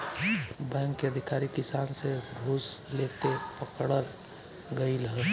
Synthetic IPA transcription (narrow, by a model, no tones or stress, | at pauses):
bɛ̃ːŋkːeəd̪ʱɪkaːɾikɪsaːnseɡʱoːslet̪epəkɽəl | ɡəiləɦɛ